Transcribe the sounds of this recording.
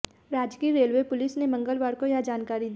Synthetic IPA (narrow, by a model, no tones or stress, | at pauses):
ɾaːd͡ʒkiɾeːlʋepʊlɪsnemɐ̃ŋɡəlʋaːɾkojad͡ʒaːnkaːɾid̪iː